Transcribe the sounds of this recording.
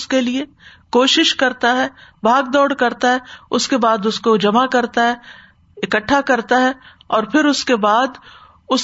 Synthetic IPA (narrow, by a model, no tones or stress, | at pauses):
skelie | koːʃɪʃkɐɾt̪aɦɛːbʱaːɡd̪ɔːɽkɐɾt̪aɦɛʊskebaːd̪ʊskod͡ʒɐmakɐɾt̪aɦɛ | ɪkəʈʰːakɐɾt̪aɦɛ | ɔːɾpʰɪɾʊskebaːd̪ | ʊs